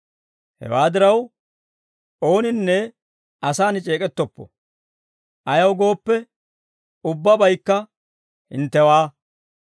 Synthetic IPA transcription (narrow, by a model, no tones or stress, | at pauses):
hɛ̰waːd̪ɪɾɐw | ʔo̞ːnɪnːɛ | ʔɐsaːnɪt͡ʃʼe̞ːkʼɛt̪ːɔpːɔ̰ | ʔɐjɐwɡo̞ːpːɛ | ʊbːɐbɐjkːɐ | hɪ̰nt̪ːɛwaː